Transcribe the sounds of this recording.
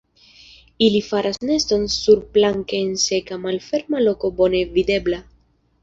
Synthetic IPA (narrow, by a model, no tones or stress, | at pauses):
ilifaɾʔaznest̪o̞nsuɾplaŋkeːnsekamalfe̞ɾmalokobonevid̪e̞bla